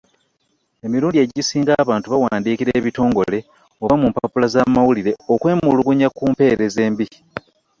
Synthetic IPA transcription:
e̞miɾuːndie̞ɟisiːŋɡaːβaːntuβawaːndiːkiɾeːβito̞ːŋɡo̞le̞ | oβamumpaapulazamawuliɾe̞okwe̞ːmulukuɲakuːmpe̞ːɾe̞ze̞ːmbi

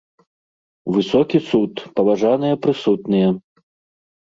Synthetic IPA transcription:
vɨsɔkʲisut̪pɐvaʐanɨjɐpɾɨsut̪nɨjɛ

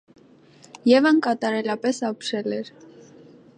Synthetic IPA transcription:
jɛvəŋkɑt̪ɑɾɛlɑpɛsɑpʰʃɛlɛɾ

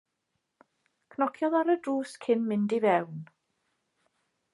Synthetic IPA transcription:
kʰnɔkʰjɔðaɾədruːskʰɪnmɪndivɛwn

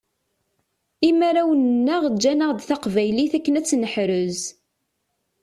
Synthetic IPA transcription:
imæɾæwənnːəʁd͡ʒːænəʁd̪θaqvæjliθækːənæt͡sːnəħɾʊz

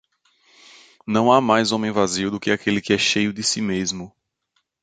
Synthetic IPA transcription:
nɐ̃w̃amajzõmẽj̃vaziuwd̪ʊkɪakʰelɪkɪɛʃejʊd̪ɪsimezmʊ

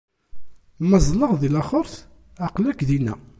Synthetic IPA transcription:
məzˤləʁðilæχoɾθ | aqlækðinæ̰

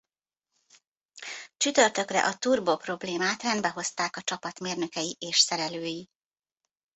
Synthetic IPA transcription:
t͡ʃyt̪ø̞rt̪ø̞krɛ̰ʔɒt̪uːrboːpro̞bleːmaːt̪rɛnd̪bɛɦo̞st̪aːkɒt͡ʃɒpɒt̪meːrnø̞kɛjiʔeːʃsɛɾɛløːji

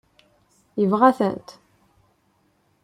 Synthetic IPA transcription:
jəvʁæθənt̪

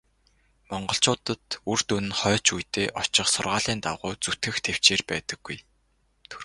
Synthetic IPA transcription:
mɔɴɢɞ̆ɬt͡ɕʊːt̪ə̆t̪urt̪unɘ̆nχœːt͡ɕujt̪eːʔɔt͡ɕɪ̆χsʊ̰rʁaːɮiːnt̪a̰wʁʊːt͡sut̪ɡɘ̆xt̪ʰew̥t͡ɕeːrpæːt̪ə̆ɡ̥ːuj | t̪ʰ

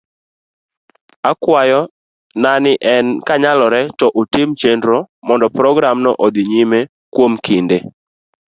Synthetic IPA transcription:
akwajɔ | nanɪʔɛnkaɲalɔɾɛtɔʔotɪmt͡ʃendɾomɔndɔpɾɔɡɾamnɔ̰ʔod̪ɪɲime | kwomkʰinde

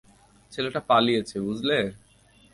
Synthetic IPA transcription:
t͡ɕʰeleʈapalijet͡ɕʰebud͡ʑleɾ

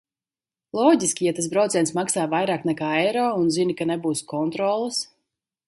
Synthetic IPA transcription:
lˠɔːɟiskʲijat̪as̬bɾawt̪zʲɛjnsmaksaːvajɾaːknɛkaːɛjɾɔːunzinikanɛbuːskɔnt̪ɾɔːlˠɨs

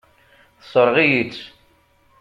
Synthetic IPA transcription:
θsˤəɾˤʁijit͡sː

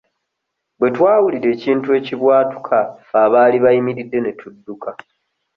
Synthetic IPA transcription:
bwe̞twaːwuliɾe̞ːciːntue̞ːciβwaːtu̥kʰaːβaːliβaimiɾidːe̞ne̞tudːukʰa

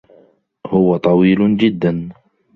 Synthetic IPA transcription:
hʊwat̪ˤɑwiːld͡ʒɪd̪ːan

